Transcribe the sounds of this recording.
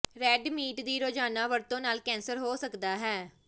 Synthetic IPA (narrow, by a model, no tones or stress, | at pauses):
ɾɛːɖmiːʈd̪iːɾoːd͡ʒaːnaːʋəɾt̪õːnaːlkɛ̃ːnsəɾɦoːsəkd̪aːɦɛː